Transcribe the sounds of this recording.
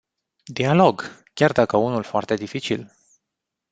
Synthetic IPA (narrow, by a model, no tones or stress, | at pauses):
d̪ialo̞ɡ | kʲard̪akəunulfoart̪e̞d̪ifit͡ʃḭl